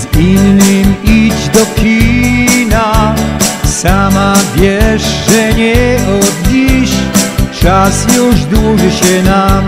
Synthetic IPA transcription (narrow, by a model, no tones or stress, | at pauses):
zinːɨmid͡ʑd̪ɔkʲina | samavʲjɛʂʐɛɲɛɔd̪ɲiɕt͡ʂasjuʐd̪wuʐɨɕɛna